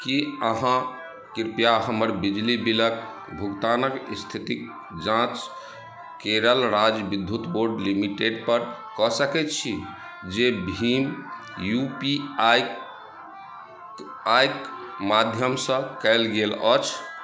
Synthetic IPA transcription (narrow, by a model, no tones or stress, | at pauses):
kiəɦã | kiɾpjaɦəməɾbid͡ʒlibilək̚ | bʱukt̪anəkst̪ʰit̪ik | d͡ʒãt͡ʃ | keɾəlɾad͡ʒbid̪ʱːjut̪boɾɖlimiʈeɖpəɾkɔsəkɛt̪̚t͡ʃʰi | d͡ʒebʱim | jupi | ajk | mad̪ʱjəmsə̃kɛɪlɡelət͡ʃʰ